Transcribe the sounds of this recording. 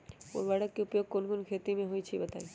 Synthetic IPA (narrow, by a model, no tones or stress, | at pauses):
o̰ɾbaɽakkeupjoɡ̚konkonkʰet̪imeɦojt͡ɕʰibet̪a̰j